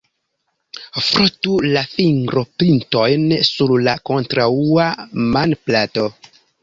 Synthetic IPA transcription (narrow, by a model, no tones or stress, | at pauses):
fɾotulafiŋɡɾopintojnsuɾlakontɾauamanplato